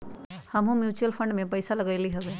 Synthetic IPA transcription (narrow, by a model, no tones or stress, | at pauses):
həmɦũmjut͡ʃuəlpʰəɳɖmẽpəjsaləɡajliɦəbe